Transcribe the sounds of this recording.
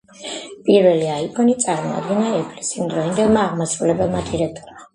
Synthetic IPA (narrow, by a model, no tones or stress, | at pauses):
pʼiɾvɛliaipʼʰɔnit̪sʼaɾmɔa̰d̪ɡɛnaɛpʰlɛsimd̪ɾɔind̪ɛlˠmaːʁmasɾulɛbɛlˠmat̪ʰiɾɛt̪ʰʼuɾma